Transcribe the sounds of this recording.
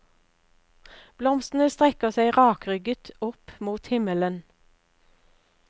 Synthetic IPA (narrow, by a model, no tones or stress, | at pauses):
b̥lɔmst̪n̩əst̪ʁɛkəʁsæɪʁɑːkʁʏɡət̪ʰʊpmuːt̪hɪmələn